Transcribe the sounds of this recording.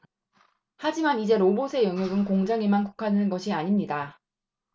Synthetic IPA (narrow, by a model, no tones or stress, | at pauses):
had͡ʑimanid͡ʑe̞ɾobosʰe̞jʌŋjoɡɯnkoŋd͡ʑaŋemanko̥kʰadɯnɯnɡʌɕʰiaɲimɲida